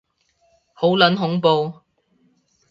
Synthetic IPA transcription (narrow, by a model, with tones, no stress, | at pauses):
ho˨˥wlɐ˨˥nɦʊ˨˥ŋpo˨˧w